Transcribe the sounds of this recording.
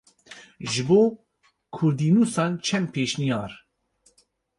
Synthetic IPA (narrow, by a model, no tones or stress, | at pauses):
ʒɨboː | kʰʊɾd̪iːnuːsɑːnt͡ʃʰɛmpʰeːʃnijɑːɾ